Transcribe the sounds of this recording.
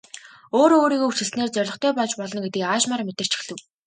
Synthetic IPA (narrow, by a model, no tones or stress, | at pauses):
oːɾoːɾiːɣoːut͡ɕɘ̆ɬsneːrt͡sœrʲɮɞ̆χt̪ʰœːpɔɮt͡ɕpɔɮɞ̆nɡet̪ɘ̆kaːʃmarmet̪ɘ̆r̥t͡ɕʰi̥xɮɘ̆w